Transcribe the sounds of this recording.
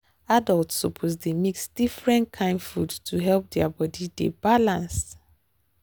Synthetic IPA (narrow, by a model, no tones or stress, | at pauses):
adaltsɔpʰozdemiksd̥ifɹɛ̃nkʰãɪ̃ndfudtʰuɦɛlp̚dɛabɔdidḛbalãns